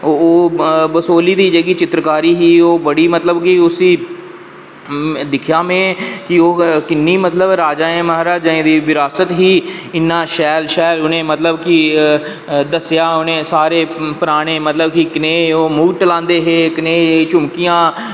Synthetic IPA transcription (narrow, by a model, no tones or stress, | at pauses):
ooːbəsoːliːd̪iːd͡ʒəɡiːt͡ʃɪt̪ɾəkaːɾiːɦiːoːbəɽiːmət̪ləbkɪʊsiː | d̪ɪkʰjaːmẽːkɪoːkɪnːiːmət̪ləbɾaːd͡ʒaːẽːməɦɾaːd͡ʒaːẽːd̪iːʋɪɾaːsət̪ɦiːɪnːãːʃɛːlʃɛːlʊnẽːmət̪ləbkɪ | d̪əsjaːʊnẽːsaːɾeːpəɾaːɽ̃eːmət̪ləbkɪkɪneːoːmuːɡʈəlãːnd̪eːɦeːkɪneːt͡ʃʊmkijãː